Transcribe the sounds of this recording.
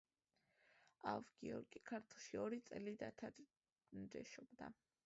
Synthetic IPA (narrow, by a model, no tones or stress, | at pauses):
avɡ̥ḭɔ̰ɾɡʼikʰaɾt̪ʰlˠʃiɔɾit̪sʼɛlid̪at̪ʰa | nɾɛ̰ʃɔbd̪a̰